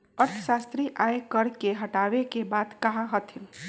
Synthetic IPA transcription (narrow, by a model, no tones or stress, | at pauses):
əɾt̪ʰə̥sast̪ɾiʔaekəɾkeɦəʈaʋekebaːd̪kəɦãɦət̪ʰil